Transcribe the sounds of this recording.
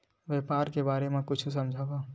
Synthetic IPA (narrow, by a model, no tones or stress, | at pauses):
ʋjeːpaːɾkebaːɾemẽkʊt͡ʃʰus̬ɐmd͡ʒʱaʋaː